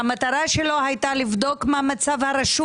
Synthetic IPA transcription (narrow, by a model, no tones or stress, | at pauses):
amat̪aɾaʃelo̞ɦajt̪alivd̪o̞kmamat͡savhaɾaʃu